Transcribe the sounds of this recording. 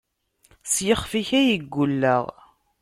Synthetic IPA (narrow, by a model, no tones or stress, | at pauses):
sjəχfiçæjiɡːulːəʁ